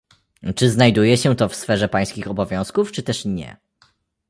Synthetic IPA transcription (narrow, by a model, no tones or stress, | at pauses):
t͡ʂɘznajd̪ujɛɕɛt̪ɔfsfɛʐɛpaj̃skʲixɔbɔvʲjɔ̃w̃skuft͡ʂɘt̪ɛʂɲɛ̰